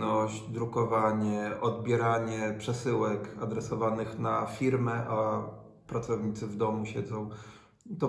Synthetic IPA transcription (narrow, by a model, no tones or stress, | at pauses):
nɔɕt͡ɕd̪ɾukɔvaɲɛʔɔd̪bʲjɛɾaɲɛpʂɛsɘwɛkad̪ɾɛsɔvanɘxnafʲiɾmɛʔa | pɾat̪sɔvɲit̪sɘvd̪ɔmuɕɛd̪zɔ̃w̃ | t̪ɔ